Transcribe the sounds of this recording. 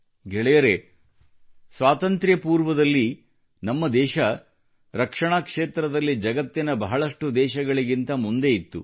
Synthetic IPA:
ɡɛɭɛjɐɾe̞ | sʋaːt̪ɐnt̪ɾjɐpuːɾʋɐd̪ɐlːi | nɐmːɐd̪ɛːʃɐ | ɾɐkʂɐɳaːkʂeːt̪ɾɐd̪ɐlːid͡ʒɐɡɐt̪ːinɐbɐɦɐɭɐʂʈud̪ɛːʃɐɡɐɭiɡint̪ɐmund̪e̞it̪ːu

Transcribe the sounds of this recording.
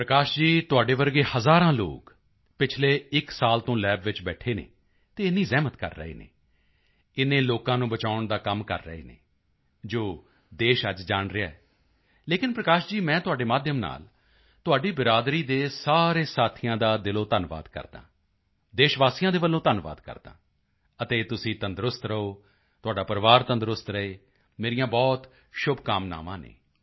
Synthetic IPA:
pɾəkaːʃd͡ʒiːt̪ʊaːɖeːʋəɾɡeːhəzaːɾãːlo̰ːk | pɪt͡ʃʰleːɪksaːlt̪õːlɛːbʋɪt͡ʃbɛːʈʰeːnḛː | t̪eːɪnːiːzɛːmət̪kə̰ɾːə̰ḛːnḛː | ɪnẽːloːkãːnũːbət͡ʃaːʊɳd̪aːkəmkə̰ɾːə̰ḛːnḛː | d͡ʒoː | d̪eːʃəd͡ʒd͡ʒaːɳɾɪaɛː | leːkɪnpɾəkaːʃd͡ʒiːmɛ̃ːt̪ʊaːɖeːmaːd̪jəmna̰ːl | t̪ʊaːɖiːbɪɾaːd̪ɾiːd̪eːsaːɾeːsaːt̪ʰɪjãːd̪aːd̪ɪloːt̪ənʋa̰ːd̪kə̰ɾd̪ã̰ː | d̪eːʃʋaːsijãːd̪eːbəlːõːt̪ənʋa̰ːd̪kə̰ɾd̪ã̰ː | ət̪eːt̪ʊsĩːt̪ənd̪ɾʊst̪ɾəoː | t̪ʊaːɖaːpəɾʋaːɾt̪ənd̪ɾʊst̪ɾəeː | meːɾɪjãːbɔːt̪ | ʃʊbʱkaːmna̰ːʋã̰ːnḛː

